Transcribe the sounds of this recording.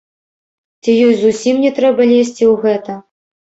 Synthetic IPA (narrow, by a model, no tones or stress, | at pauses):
t͡sʲijɔjzusʲimnʲɛt̪ɾɛbɐlʲesʲt͡sʲiwɣɛt̪ɐ